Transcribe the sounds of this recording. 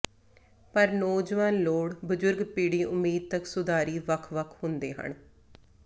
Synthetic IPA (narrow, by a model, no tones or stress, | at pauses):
pəɾnoːd͡ʒʋaːnloːɽbəd͡ʒʊɾɡpiːɽiːʔʊmːiːd̪̚t̪əksʊd̪aːɾiːʋəkʰʋəkʰhʊnd̪eːɦə̰ɳ